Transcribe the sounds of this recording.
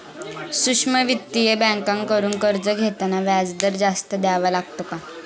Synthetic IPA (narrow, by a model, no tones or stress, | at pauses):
sukʂməʋit̪ːijebɛ̃ŋkãŋkəɾuːnkəɾd͡zəɡʱet̪naʋjad͡zd̪əɾd͡zast̪əd̪jaʋalaɡt̪oka